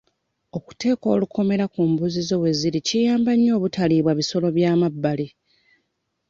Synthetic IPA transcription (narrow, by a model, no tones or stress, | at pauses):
o̞ku̥te̞ːko̞̰ːluko̞me̞ɾakumbuzizo̞βwe̞ziɾicijaːmbaɲːo̞ːβutaliːβwaβiso̞lo̞βjaːmabːali